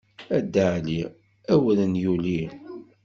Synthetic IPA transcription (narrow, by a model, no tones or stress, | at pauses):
æd̪ːəʕli | æwələnjuli